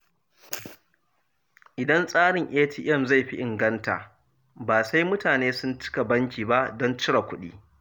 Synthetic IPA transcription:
ʔɪ˨dɐ˦nsʼaː˦ɽɪ˨ŋʔeː˦tʰiː˨ʔɛ˦˨mza˦˨jɸi˦ʔɪ˨ŋɡɐ˦nta̰˨ | baː˨sa˦jmʊ˦taː˨neː˦sʊ˦nt͡ʃɪ̥˦ka˨bɐ˦ŋkʲiː˨ba˦ʔdɔ˦nt͡ʃɪ˦ɽa˨kʷʊ˦ɗḭː˦

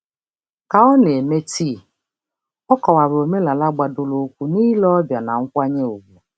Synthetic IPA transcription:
ka˨ɔ˦ne˨me˦ti˦˨ | ɔ˦kɔ˨wa˨ɾo˨me˦la˨la˦ɡ͡ba˨do˨lo˨˦kʷu˦niː˦lɔ˦ɔ˦bja˨na˨ŋ̩˦kʷa˦ɲe˦o˨ɡu˨

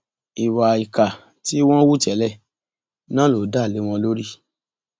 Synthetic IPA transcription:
i˨wa˨i˨ka˨ | ti˦w̃ɔ̃˦wu˦˨tɛ˨˦lɛ˦˨ | nãː˦lo˨˦da˦˨le˨˦w̃ɔ̃˧lo˦ɾi˦

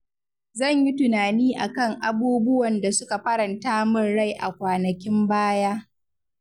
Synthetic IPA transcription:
zɐ˦˨ɲji˦tʊ˨naː˨niː˦ʔa̰˨kɐ˦˨ŋʔa˨buː˦bʊ˦wɐ˨nda˨sʊ˦ka˨ɸɐ˦ɾɐ˨ntaː˦mʊ˦˨nɽa˦˨jʔa̰˨kʷaː˨nɐ˨kʲɪ˦mbaː˦jaː˦

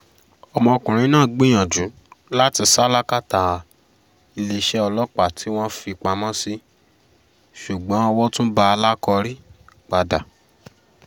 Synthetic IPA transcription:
ɔ˨mɔ̃˧ɔ˧kũ˨ɾ̃ĩ˧˦nãː˦˨ɡ͡bĩ˦j̃ã˨d͡ʒũ˨˦ | la˦ti˧sa˦la˦ka˦ta˨˧ | i˧le˧ʃɛ˦ɔ˧lɔ˦k͡pa˨tʰi˨˦w̃ɔ̃˦fi˧˨k͡pa˧mɔ̃˦si˦ | ʃu˨ɡ͡bɔ̃˨˦ɔ˧wɔ˦tũ˦ba˦a˧la˦kɔ˧ɾi˦k͡pa˨da˨

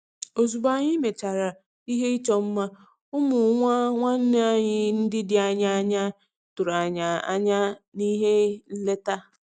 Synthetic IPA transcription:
o˨zu˨ba˨ɲɪ˦me˨t͡ʃa˨ɾa˨ | i˦ɦe˦i˦t͡ʃɔ˦m̩˦ma˦ | ʊ˦mʊ˨˦ŋʷa˦ŋʷa˦n̩˦n˦a˦ɲɪ˦n̩˦dɪ˦dɪ˨a˦˨ɲa˦a˦ɲa˦ | tʊ˨ɾa˨ɲa˨a̰˦ɲa˦ni˦ɦe˦n̩˦le˦ta˦

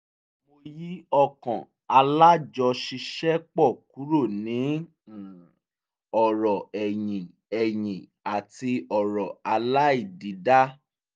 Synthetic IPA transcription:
mo˧ji˦ɔ˦kɔ̃˨ | a˧la˦d͡ʒɔ˧ʃi˧ʃɛ˦k͡pɔ˦˨ku˨˦ɾo˦˨nĩ˨˦˨ | ɔ˨ɾɔ˨ɛ˨jĩ˨ | ɛ˨jĩ˨ | a˨ti˧ɔ˨ɾɔ˨a˧la˦i˦˨di˨˦da˦

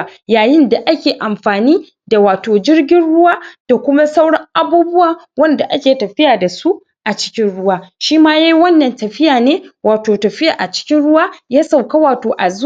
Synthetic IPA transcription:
jaː˨jɪ˦nda˨ʔa˦kʲeː˨ʔa˨mɸaː˨niː˦ | da˨waː˨toː˨d͡ʒɪ˦rɡʲɪ˦nɽʊ˦waː˦d̥a˨kʷʊ˦ma˦sa˦wɽɐ˦ŋʔa˨buː˦bʊ˦waː˨ | wɐ˦nda˨ʔa˦kʲeː˨tɐ˨ɸɪ˦jaː˨da˨su˦ʔ | ʔa˨t͡ʃɪ̥˦kʲɪ˦nɽʊ˦waː˦ʃiː˦maː˦ja˦jwɐ˦nːɐ˨ntɐ˨ɸɪ˦jaː˨neː˦waː˨toː˨tɐ˨ɸɪ˦jaː˨ʔa˨t͡ʃɪ̥˦kʲɪ˦nɽʊ˦waː˦jaː˦sa˨wka˦waː˨toː˨ʔa˨z

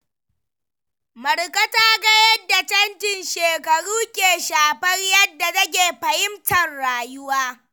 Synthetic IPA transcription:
mɐ˨ɾkɐ˦taː˦ɡɐ˦jɐ˦dːa˨tɐ˦ntɪ˨nʃeː˨kɐ˨ɽuː˦kʲeː˨ʃaː˨ɸɐ˦rjɐ˦dːa˨zɐ˦ɡʲeː˨ɸɐ˨hɪ˦mtʰɐ˨rɽaː˨jʊ˦waː˦

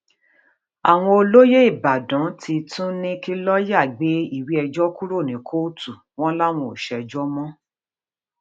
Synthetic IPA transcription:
a˨w̃ɔ̃˧o˧lo˦je˦i˦˨ba˨dã˨˦tʰi˧tũ˦nĩ˦ki˦lɔ˦ja˦˨ɡ͡be˨˦i˦˨wi˦ɛ˧d͡ʒɔ˦ku˦ɾo˦˨nĩ˨˦kʰo˦tu˦˨ | w̃ɔ̃˦la˦w̃ɔ̃˨ʃɛ˧d͡ʒɔ˦mɔ̃˦

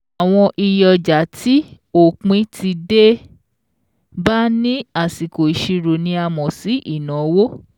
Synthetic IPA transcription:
a˨w̃ɔ̃˧ʔi˧jɔ˨d͡ʒa˨˦ti˦ | o˨k͡pĩ˨˦ti˧de˦ | ba˦nĩ˦a˦˨si˨ko˨i˨ʃi˧ɾo˨nĩ˧˦a˧mɔ̃˨si˨˦ʔi˦˨nã˨˦wo˦

